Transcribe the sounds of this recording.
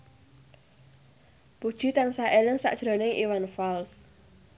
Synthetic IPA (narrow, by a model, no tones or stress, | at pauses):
pud̥ʒ̥i̤t̪ansaʔelɪŋsa̰ʔd̥ʒ̥ɾo̤nɪŋʔḭwanfals